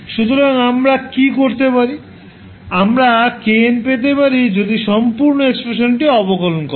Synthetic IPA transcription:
ʃut̪oɾaŋamɾakikoɾt̪epaɾi | amɾakenpet̪̬epaɾid͡ʑod̪iʃɔmpuɾnoekspɾeʃonʈiɔpokɔlonko

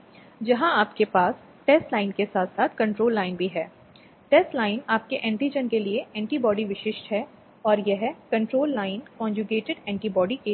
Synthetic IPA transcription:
d͡ʒɐɦãaːpkepaːs | ʈeːsʈlaːɪnkesaːt̪ʰsaːt̪ʰkɐ̃ɳʈɾoːlːaːɪnbʱiɦɛː | ʈɛːsʈlaːɪnaːp̚keʔɛ̃ːɳʈid͡ʒənkelieʔɛ̃ːɳʈibɔːɖiʋɪʃɪʃʈɦɛ | ɔːɾjɐɦɛkɐ̃ɳʈɾoːlːaːɪnkɔ̃ːɲd͡ʒuɡeːʈɪɖɛ̃ːɳʈibɔːɖike

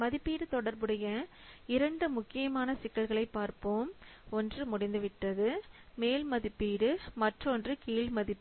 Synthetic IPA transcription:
mɐðɪpːiːɽɯt̪ɔɽɐɾbɯɽɐjɐ | ɪɾɐɳɖɯmʊkːɪjɐmaːnɐsɪkːɐlɣɐɭɐɪpːaːɾpoːmɔndrɯmʊɽɪnd̪ɯʋɪʈːɐðɯmeːlmɐðɪpːiːɽɯmɐʈrɔndrɯkiːlmɐðɪpː

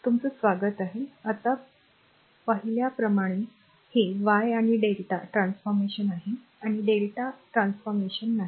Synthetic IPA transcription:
t̪umt͡səsʋaɡət̪aɦeət̪a | pəɦiljapɾəmaɽ̃e | heʋajaɽ̃iɖelʈaʈɾãnsfɔɾmeɕənaɦe | aɽ̃iɖelʈaʈɾãnsfɔɾmeɕənːaɦi

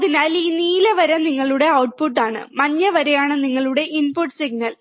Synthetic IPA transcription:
ɐðinaːliːniːlɐʋɐɾɐniŋːɐɭuɽe̞ɐwʈ̚puʈːaːɳɨ̰mɐɲːɐʋɐɾejaːɳɨniŋːɐɭuɽe̞ʔinpuʈːsiɡnɐl

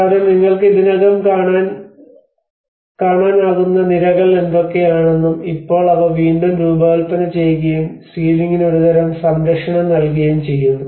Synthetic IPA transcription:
kkaːɾɐmniŋːɐɭkɨiðinɐɣɐmkaːɳaːn | kaːɳaːnaːɣunːɐniɾɐɣɐɭe̞nd̪o̞kːe̞jaːɳe̞nːumipːo̞ːɭɐðɐʋiːɳɖɐmɾuːbɐːɐlpɐnɐt͡ɕe̞jɣɐjum | siːliŋːinoɾuðɐɾɐmsɐmɾɐkʂɐɳɐmnɐlkɐɣɐjumt͡ɕe̞jːunːɐɐ

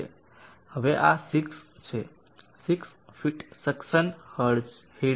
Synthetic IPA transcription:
ḛ | həʋeʔasikst͡ʃʰe | siksfʰiʈsəksənhəɾd͡ʒhe

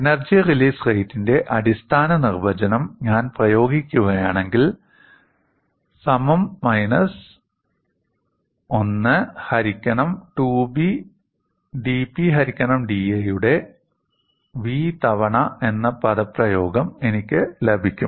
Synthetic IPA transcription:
enɐrd͡ʑijɐriliːsrejtːinde̞ʔɐɽist̪ʰaːnɐnirbɐd͡ʑɐnɐmɲaːnprɐjo̞ːɡikʲːuɣɐjaːɳe̞ŋɡil | sɐmɐmːɐjnɐs | o̞nːɨhɐɾikʲːɐɳɐmʈuːbi | ɖiːpːiɦɐɾikʲːɐɳɐmɖiejuɽe̞ | ʋiːt̪ɐʋɐɳɐe̞nːɐpɐðɐprɐjo̞ːɡɐme̞nikʲːɨlebʱikʲːum

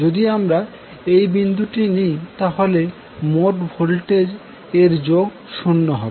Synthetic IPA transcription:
od̪iamɾa | ejbind̪ʱuʈinijt̪aɦole | moʈbʱolʈe | eɾd͡ʑoɡ | ʃunːoɦɔbe

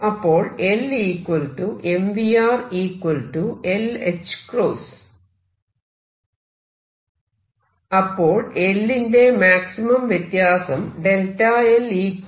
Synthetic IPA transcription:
ɐpːo̞ːɭe̞liːkwɐlʈuʔemʋiaːriːkwɐlʈuelet͡ɕːɨ̥kroːs | ɐpːo̞ːɭe̞lːinde̞maːksimɐmʋjet̪jaːsɐmɖelʈɐeliːk

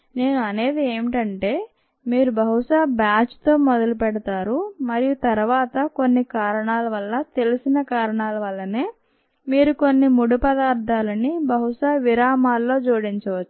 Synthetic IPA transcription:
ne̞ːnuɐne̞ːd̪ieːmiʈɐɳʈe̞ː | miːɾubʱɐɦuʂaːbjaːt͡ʃt̪o̞ːmɔd̪ɐlupɛɽɐt̪aːɾumɐɾijut̪ɐɾuʋaːt̪ɐko̞nːikaːɾɐɳaːlɐʋɐlːɐt̪e̞lisinɐkaːɾɐɳaːlɐʋɐlːɐneː | miːɾuko̞nːimuɽupɐd̪aːɾd̪ʱaːlɐnibʱɐɦuʂaːʋiɾaːmaːlːo̞ːd͡ʒuːɽiɲt͡ʃɐʋɐt͡ʃːu̥

